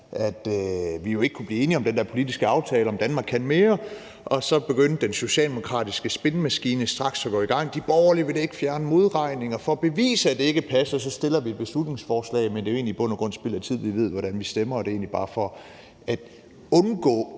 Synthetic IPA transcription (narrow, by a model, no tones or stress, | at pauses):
ʔæd̥ʋijo̝e̝ɡ̥ə̥kʰub̥liːe̝ːniɒmd̥end̥æɐpʰo̝lid̥isɡ̥əɑ̈ʊt͡sʰɛːləɒ̽md̥ænmɑ̈ːɡkʰːænme̝ːɐ | ʔɒ̽sɒ̽b̥e̝ɡ̥øn̰d̥ːenso̝ɕɛ̰ːld̥emo̝kʰʁɑ̰̈ːd̥isɡ̥əsb̥e̝nəmæsɡ̥iːnəsd̥ʁɑ̈ɡ̥sɒ̽ɡ̥ɔ̰ːiɡ̥ɑ̈ŋ̰d̥ib̥ɒʊɐliʋe̝de̝ɡ̥əfjæɐnəmo̝ðˠʁɑ̈ɪ̰ne̝ŋɒfɒ̽b̥e̝ʋḭːsəæd̥e̝e̝ɡ̥əpʰæsɐsɒ̽sd̥e̝l̰ɐʋied̥̚b̥e̝slud̥ne̝ŋsfɒːslɛ̰ɪmend̥e̝oe̝̰ːnlib̥ɔ̽n̰ɐɡ̥ʁɔ̽n̰sb̥el̰ˠæt͡sʰið̞̰ˠʋiʋe̝ð̞̰ˠʋɒɾ̥ænʋisd̥emɐɒd̥e̝e̝̰ːnlib̥ɑ̈ːfɒ̽ | æd̥ | ɔ̽nɡ̥ɔ̰ː